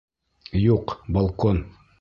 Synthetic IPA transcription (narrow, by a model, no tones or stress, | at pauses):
juqbɐlˠkon